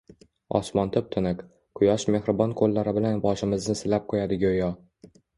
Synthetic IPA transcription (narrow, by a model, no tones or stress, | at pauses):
ɒ̰smɒnt̪ʰʊp̚t̪ʰɪnɪk | qʰʊjɒʃme̞hɾɪbɒnkʰolːaɾɪbɪlanbɒʃɪmɪznɪsɪlap̚qʰojad̪ɪɡʲojɒ